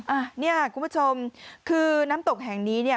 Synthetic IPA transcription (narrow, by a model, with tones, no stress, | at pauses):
ʔaː˧˩ni˥˩ɐ˨˩kʰu˧mpʰu˥t͡ɕʰo˧mkʰɯː˧naː˦˥mt̪o˨˩k̚ɦɛ˨˩ŋniː˦˥ni˥˩